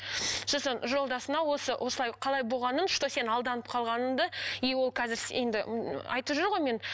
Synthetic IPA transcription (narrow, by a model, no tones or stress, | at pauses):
sosənʒo̞lˠd̪ɑsənɑwo̞səwʔo̞səlˠɑjqʰɑlˠɑjbo̞lˠʁɑnən̥ʃt̪ose̞nɑlˠd̪ɑnəp̚qʰɑlˠʁɑnənd̪əewo̞lˠkʲʰɑzɪɾse̞nd̪ɪɑ̰jt̪əpʒʏɾʁo̞jme̞n